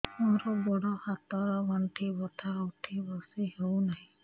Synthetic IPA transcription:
ɔɾɔbɔɽɔhat̪ɔbɔɳʈʰibɔt̪ʰawʈʰibɔsihownaɦĩ

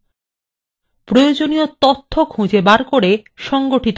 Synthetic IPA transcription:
pɾojod͡ʑoniot̪ot̪ʰːokʰũd͡ʑebaɾkoɾeʃɔŋɡoʈit̪o

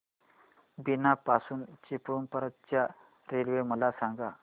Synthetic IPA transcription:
binapasuːnt͡ɕipɾumpəɾət̪̚t͡ɕja | ɾelʋeməlasaŋɡa

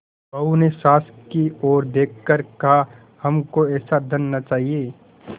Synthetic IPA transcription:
ɐunesaːskiɔːɾd̪eːkʰkəɾkɐɦa | hɐmkoɛːsad̪ɐnːat͡ʃaːɦijeː

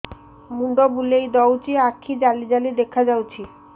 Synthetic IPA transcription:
muɖobulejd̪ɔwt͡ɕiakʰːid͡ʑalid͡ʑalid̪ekʰːad͡ʑawt͡ɕʰi

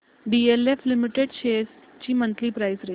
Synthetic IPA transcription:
ɖielefʰlɪmiʈeɖʃeːs | t͡ɕiːmə̃nt̪lipɾaɪsɾe

